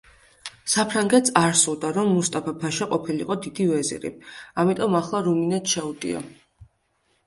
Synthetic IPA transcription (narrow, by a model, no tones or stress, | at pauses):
sapʰɾaŋɡɛt̪saɾsulˠd̪aɾɔmːust̪ʼapʰapʰaʃaqʼɔpʰiliqʼɔd̪id̪ivɛzḭɾḭamit̪ʼɔmaχlˠaɾuminɛt̪ʃɛud̪ḭɔ̰